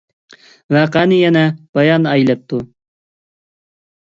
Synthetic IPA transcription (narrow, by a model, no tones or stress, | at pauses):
væqænɨjɛnɛb̥ɑjɑnɑjlɛp̚t̪ʰu